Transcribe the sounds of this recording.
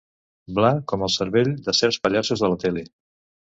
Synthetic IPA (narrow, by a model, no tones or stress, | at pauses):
blakɔməlˠsəɾβeʎd̪əsɛɾspəʎasuzðələt̪ɛli